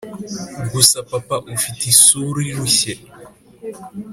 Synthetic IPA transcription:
ɡusapapaʔufitisuɾijuɕe

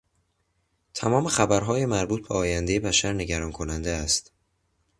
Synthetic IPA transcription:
t̪ʰæmɒːme̞xæbæɾɦɒːjemæɾbuːt̪̚ʰbeɒːjænd̪ejebæʃæɾne̞ɟæɾɒːnkʰo̞nænd̪eæst̪

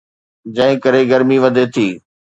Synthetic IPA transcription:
d͡ʑɐ̃ɦɪ̃kɐɾeɡɐɾmiʋɐd̪ʱet̪ʰiː

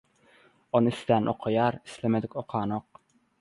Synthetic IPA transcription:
onɨist̪ænʔo̰qʰɑjɑɾi̥slɪmed̪ɪkʲoqʰɑːnoq̚

